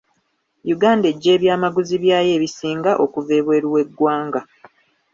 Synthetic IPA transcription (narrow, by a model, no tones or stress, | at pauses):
juɡaːnde̞ɟːe̞ːβjaːmaɡuziβjaːje̞ːβisiːŋɡaʔo̞kuve̞ːβwe̞ːɾuwe̞ɡːwaːŋɡa